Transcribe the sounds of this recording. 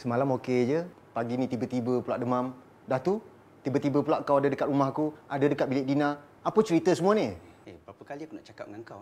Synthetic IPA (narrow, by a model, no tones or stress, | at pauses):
səmalamoked͡ʒə | paɡinĩt̪ibət̪ibəpulaʔ̚dəmam | daht̪u | t̪ibət̪ibəpulaʔkawadadəkat̪̚ɾumahkuadadəkat̪̚bilɪʔdina | apət͡ʃəɾit̪əsəmuaniebapəkaliakunaʔt͡ʃaka̰p̚ŋaŋkaw